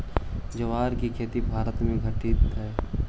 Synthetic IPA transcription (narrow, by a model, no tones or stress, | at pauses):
d͡ʒɐʋaːɾkikʰeːt̪ibʱaːɾət̪mẽɡʱəʈiːt̪ɦɛː